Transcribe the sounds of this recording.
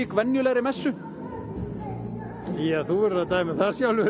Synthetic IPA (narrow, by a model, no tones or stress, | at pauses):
ikvɛnjʏlɛɣɾɪmɛsːʏ | jaθuɛɾat̪aːjmaθasjawlʏ